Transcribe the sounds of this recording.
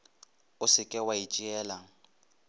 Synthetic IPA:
ʊsɪkʼɛwait͡ʃʼiɛːlaŋ̩

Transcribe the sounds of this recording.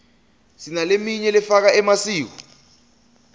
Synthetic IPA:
sinalemiɲɛlɛfak̬aɛmasiːk̬u

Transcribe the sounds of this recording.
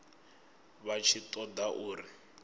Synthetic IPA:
βat͡ʃʰitʼɔdaʔuːri

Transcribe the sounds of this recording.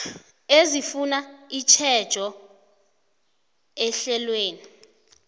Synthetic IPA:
ezifunait͡ʃʰɛd̥ʒ̥ʱɔ | ɛɬɛlweːni

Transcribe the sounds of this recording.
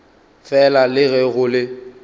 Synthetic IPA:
fɛlalɪɣɛɣʊlɪ

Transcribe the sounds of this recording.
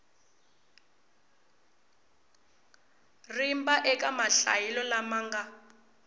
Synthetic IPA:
rimbaʔɛkamaɬa̰jilɔlamaːŋɡa

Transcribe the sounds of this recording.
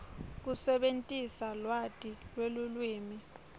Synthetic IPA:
k̬usɛɓentʼisalwatʼilwelulwiːmi

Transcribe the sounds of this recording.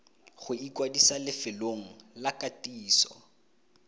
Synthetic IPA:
χʊikʼwadisalɪfɪloŋ̩lakʼatʼiːsɔ̰

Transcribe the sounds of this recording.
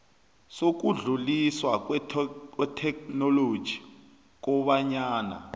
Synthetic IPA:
sok̬uɮuliswak̬wwɛtʰɛknɔlod̥ʒ̥ʱi | k̬ɔɓaɲaːna̰

